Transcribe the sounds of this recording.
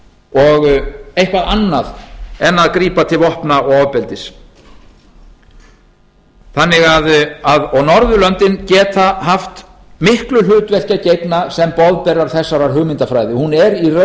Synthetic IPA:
ɔɣejhkvaðanːaðɛnːaðkɾiːpat̪ʰɪlvɔhpnaɔɔpɛlt̪ɪs | θanːɪɣaðaðɔɣnɔɾðʏlœnt̪ɪncɛːt̪aɦaft̪ | mɪhklʏlʏːt̪vɛl̥cacejpnasɛmpɔðpɛrːaɾ̥θɛsːaɾaɾ̥ɦʏɣmɪnt̪afɾajðɪhunɛɾirœ

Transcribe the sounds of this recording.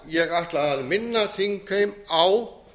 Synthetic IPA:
jɛɣaht̪laaðmɪnːaθɪŋkʰejmaw

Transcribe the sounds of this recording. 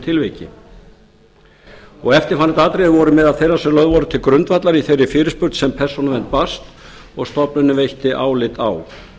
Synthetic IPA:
t̪ʰɪlvejcɪ̰ | ɔɣɛft̪ɪɾ̥fanːɪt̪aːt̪ɾejðvɔɾʏmɛðaðθejrasɛmlœðvɔɾʏt̪ʰɪlkɾʏnt̪vat̪laɾiθejrɪfɪːɾɪspʏɾ̥t̪sɛmpʰɛr̥sɔnavɛnt̪̚past̪ | ɔɣst̪ɔpnʏnːʏvejht̪ɪʔaːwlɪt̪a̰w

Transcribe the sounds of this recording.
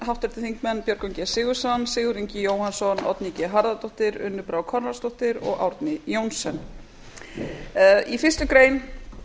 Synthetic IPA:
ɦawht̪ɛɾ̥t̪ɪθiŋkmɛnːpjœɾkɔwɲcɛsɪːɣʏ̥sɔnːsɪːɣʏɾiɲcɪjoːwhansɔnɔ̰t̪nicɪɦaɾðat̪ɔht̪ɪɾʏ̰nːʏpɾawkʰɔɾnast̪ɔht̪ɪɾɔ̰ɣa̰wɾt̪nɪjownsɛn | ifɪr̥st̪ʏkɾeːjn

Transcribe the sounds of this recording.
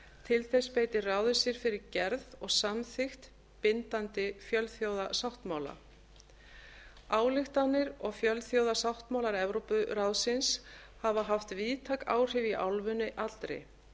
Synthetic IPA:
t̪ʰɪlθɛspeːjt̪ɪraːwðʏsɪɾ̥fɪɾɪɾcɛɾðɔɣsamθɪxt̪ | pɪnt̪ant̪ɪfjœlθjowðasawht̪maːwla̰ | aːwlɪxt̪anːɪɾɔɣfjœlθjowðasawht̪mawlaɾɛvɾowpʏɾawsɪns | havaɦaft̪viːt̪ʰaka̰ːwr̥ɪviʔa̰wlvʏnɪʔatlt̪ɾḛj

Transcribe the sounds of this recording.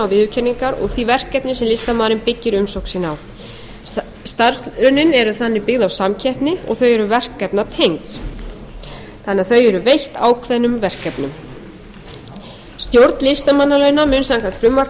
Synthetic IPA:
awvɪðʏcʰɛnːiŋkaɾɔ̰ɣθivɛr̥kɛpnɪsɛmlɪst̪amaːðɾɪnpɪcːɪɾʏmsowksinaw | st̪aɾsʏnɪnɛɾʏθanːɪpɪɣðawsamcʰɛhpnɪɔ̰ɣθœɥɛɾʏvɛr̥kːɛpnat̪ʰejŋt̪s | t̪ʰanːɪaθœɥɛɾʏvejht̪aːwkʰvɛnʏmvɛr̥kːɛpnʏm | st̪jowɾt̪lɪst̪amanːalœɥnamʏnsaŋkat̪fɾʏmːa

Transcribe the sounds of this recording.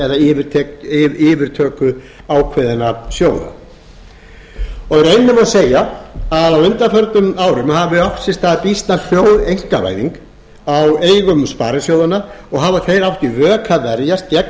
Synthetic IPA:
ɛðaɪvɪɾt̪ʰɛɪːvɪɾ̥t̪ʰœːkʏ | aːwkʰvɛðɪnasjoːwða̰ | ɔɣrejnːʏmawseːjaaðawʏnt̪afœɾt̪nʏmaːwɾʏmhaːvɪɔhfsɪst̪aðpist̪nafjoːwðejŋ̥kava̰ːjðḭŋk | aweːjɣʏmspaːɾɪsjowðanaɔɣɦaːvaθejɾawft̪ɪvœːkʰavɛɾjast̪̚cɛk

